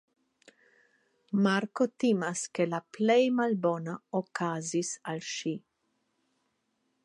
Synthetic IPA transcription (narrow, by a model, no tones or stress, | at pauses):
maɾkot̪imaskelaplejmalbonaokaːzisalʃi